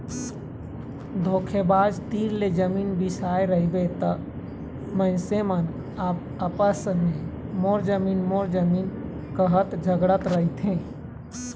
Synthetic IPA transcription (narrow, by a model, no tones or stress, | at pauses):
d̪ʱokʰebad͡ʒt̪iɾled͡ʒəminbisaeɾəɦibet̪ə | məɪ̃semən | aːp | əpəsme | moɾd͡ʒəminmoɾd͡ʒəmin | kəɦət̪d͡ʒʱəɡɽət̪ɾəɦit̪ʰẽ